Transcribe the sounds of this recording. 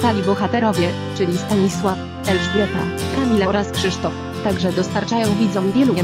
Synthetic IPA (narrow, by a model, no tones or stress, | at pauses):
t̪alʲibɔxat̪ɛɾɔvʲjɛ | t͡ʂɘlʲist̪aɲiswaf | ɛlʐɡɛt̪a̰kamʲilaɾaskʂɘʂt̪ɔf | t̪aɡʐɛd̪ɔst̪aɾt͡ʂajɔ̃w̃vʲid̪zɔ̃w̃vʲjɛluɛ